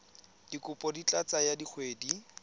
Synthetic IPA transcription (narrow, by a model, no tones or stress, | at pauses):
d̥ikʊpʼɔdit͡ɬʼat͡sajadik͡xʰweːdi